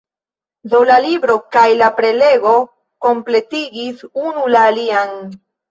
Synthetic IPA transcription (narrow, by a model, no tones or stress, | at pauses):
do̞lalibɾo̞kajlapɾe̞le̞ɡo̞ | ko̞mple̞tiɡisunulaːlian